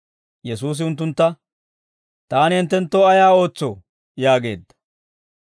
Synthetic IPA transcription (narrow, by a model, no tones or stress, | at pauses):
jɛsuːs̬ɪʊnt̪̬ːʊnt̪ːɐ | t̪aːnɪɪnt̪ːɛnt̪ːoːɐjaːo̞ːt͡sːo | jaːɡe̞ːd̪ːɐ̥